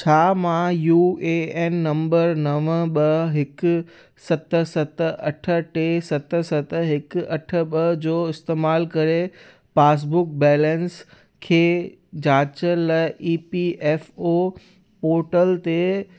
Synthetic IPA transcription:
t͡ɕʰaːmãjuːeenːɐ̃mbəɾnɐʋəɓɐɦɪk | sɐt̪sɐt̪əɐʈʰə̆ʈesɐt̪ə̆sɐt̪ɦɪkɐʈʰəɓɐd͡ʑoːɪst̪eːmaːlkɐɾe | paːs̬bʊk̚bɛːlɛ̃ns | kʰeː | d͡ʑaːt͡ɕələʔiːpiʔɛːfo | poːɾʈəlt̪e

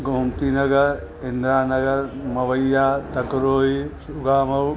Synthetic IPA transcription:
ɡʱoːmt̪inɐɡɐɾ | ɪnd̪ɾaːnɐɡɐɾmɐʋɐjːaːt̪ɐkɾoːɦisuɡaːmɐw

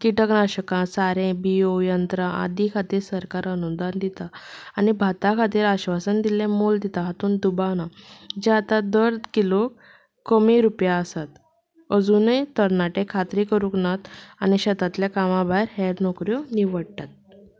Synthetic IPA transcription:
kiʈəknaɕəkãsaɾẽbiojənt̪ɾaʔa̰d̪ikʰat̪iːɾsəɾkaɾənud̪and̪it̪aanibʱat̪akʰat̪iːɾaɕʋasənd̪ilẽmold̪it̪aɦat̪uːnd̪ubanad͡ʑeat̪ad̪əɾkilo | kəmiɾupjaəsat̪ | əd͡zunəjt̪əɾnaʈẽkʰat̪ɾikəɾũknat̪aniɕət̪at̪ljakamãbʱajɾɦeɽnokɾjoniʋəɽt̪at̪̚

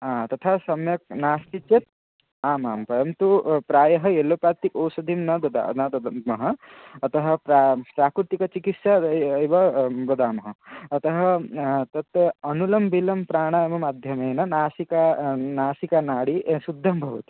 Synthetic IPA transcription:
aːt̪ɐt̪ʰasɐmjɐk̚naːst̪it͡ʃjet̪̚ | aːmaːmpɐɾɐmt̪upɾaːjɐɦɐelopaːt̪ikoːsɐd̪ʱimnɐd̪ɐd̪a̰nɐd̪mɐɦɐɐt̪ɐɦɐ̆pɾapɾaːkɾut̪ikɐt͡ʃikit̪saejʋɐbɐd̪aːmɐɦɐɐt̪ɐɦɐt̪ɐt̪ɐnulɐmbʱilɐmpɾaːɽ̃ajɐmɐmaːd̪ʱjɐmɐjnɐnaːsikanaːsikanaːɽisud̪ʱːɐmbʱɐʋɐt̪i̥

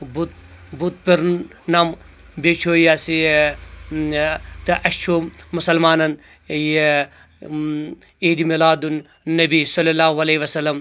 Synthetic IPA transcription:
but̪̚ | but̪̚piɾ | nɐm | bet͡ʃʰoːjasi | t̪ɐʔɐʃt͡ʃʰomʊsɐlmaːnɐn | je | iːd̪imilaːd̪unː | ɐbisɐlːɐlaːɦʋɐleiʋɐsɐlːɐm

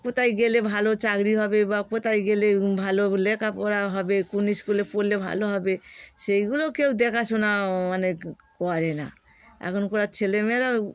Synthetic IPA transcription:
kot̪aiɡelebʱalot͡ʃaɡɾiɦɔbebakot̪aiɡelebʱalolekʰapɔɾaɦɔbekuniskulepoɾlːebʱa̰loɦɔbesejɡulokeud̪ekʰasunamane | kɔɾena̰ | a̰kɔnkoɾat͡ʃʰelemeɾa

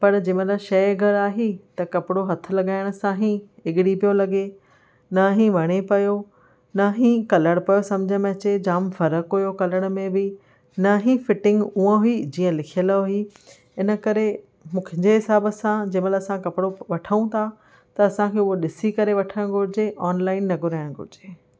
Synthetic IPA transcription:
pɐɾd͡ʑeːmɐləʃɐjɡʱɐɾaːɦit̪ɐkɐpɪɽoɦɐt̪ʰʊ̆lɐɠaːɪɽ̃ʊ̆sãɦĩɪɠɪɽipijolɐɡe | nɐɦĩʋɐɽ̃epɐjo | nɐɦĩkɐləɽ̃pɐjosɐmd͡ʑʱəmẽt͡ɕed͡ʑaːmfɐɾəkɦujokɐləɽ̃mẽbɪ | nɐɦĩfɪʈɪ̃ŋɡuãɦʊid͡ʑiːə̃lɪkʰijəlɦʊi | ɪnə̆kɐɾe | mũːkʰɪ̃ɲd͡ʑeɦɪsaːbəsãd͡ʑɐməlɐsãkɐpɪɽoʋɐʈʰəũt̪ʰa | t̪ɐːsãkʰeuɦoɗɪsikɐɾeʋɐʈʰəɽ̃ɡʱʊɾɪd͡ʑeʔɔːnlaːɪnːɐɡʱʊɾaːɪɽ̃ɡʱʊ̰ɾɪd͡ʑeː

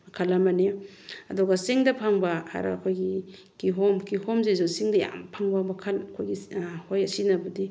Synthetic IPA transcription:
kʰalamane | ɐdɔɡaseŋdɐpʰaŋbaa̰ɾa̰kʰojɡi | kiɦɔmkihɔmzezɔsiŋdɐja̰mpʰaŋbamakʰalkʰojɡihojasinabadi

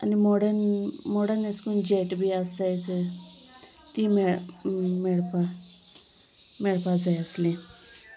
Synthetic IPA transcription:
a̰nimoɽənmoɽəneskuːnd͡ʑeʈbʱiːəst̪ajt͡sə | t̪iːme | meɭpa | mɛɭpad͡zajəslẽ

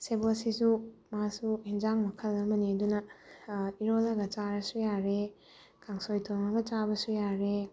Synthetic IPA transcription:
sebosisumasuhind͡ʒaŋmɐkʰɐlɐmɐniɐdunɐ | iɾolɐɡɐt͡ʃaɾɐsujaɾe | kʰaŋsojtʰoŋɐɡɐt͡ʃabɐsujaɾe

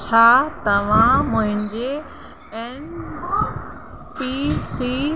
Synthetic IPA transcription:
t͡ɕʰaːt̪ɐʋ̤ãmʊ̃ɦɪ̃nd͡ʑe | ɛn | pisi

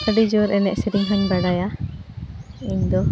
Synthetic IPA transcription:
əɖid͡ʒoɾɛnɛʔsiɾiŋɦɔnbaɽaja | iɲd̪ɔ

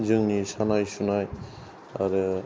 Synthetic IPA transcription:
zɯŋnisanajsunaj | a̰ɾɯ

